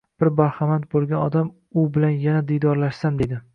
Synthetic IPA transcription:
b̥ɪɾbaɾhamant̪̚bolˠɡʲanɒd̪am | ʊbɪlanjanad̪ijd̪ɒɾlaʃsamd̪e̞d̪ɪ

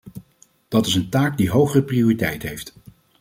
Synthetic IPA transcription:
d̥ɑtɪsəntaːkdiɦowχərəprioːritɛ̰jtɦejft

